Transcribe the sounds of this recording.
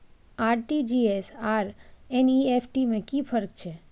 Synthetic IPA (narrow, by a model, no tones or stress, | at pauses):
aɾʈid͡ʒiesaɾeniefʰʈimẽkifʰəɾk̚t͡ʃʰe